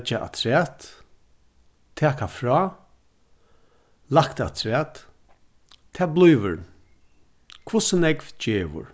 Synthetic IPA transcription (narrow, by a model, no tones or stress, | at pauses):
t͡ʃaʔa̰t̪ʰɾɛːt̪ | t̪ʰɛːkafɾɔː | lakt̪a̰t̪ʰɾɛːt̪ | t̪ʰːɛːblˠujʋə̰ɾ | kʰvʊsənɛkvd͡ʒeːʋʊ̰ɹ